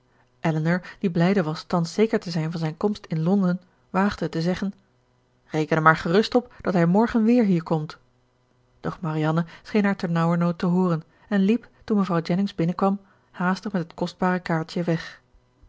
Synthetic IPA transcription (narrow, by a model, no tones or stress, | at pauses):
ʔɛlənəɹd̥iblɛjdəʋɑstɑnsejkəɹtəzɛjnvɑnzɛjnkɔmstɪnlɔndən | ʋaːχd̥ətəzɛχən | rejkənəmaːɹχərɵstɔp̚d̥ɑtɦɛjmɔɹχənʋɪːɹɦiːɹkɔmt | d̥ɔχmarijɑnəsχejnɦaːɹtɛɹnɑwəɹnowtəɦʊːrən | ɛnliptunməvʁɑwd͡ʒɛnɪŋzbɪnəkʋɑm | haːstəχmɛtɦətkɔsd̚baːʁəkaːɹtjəʋɛχ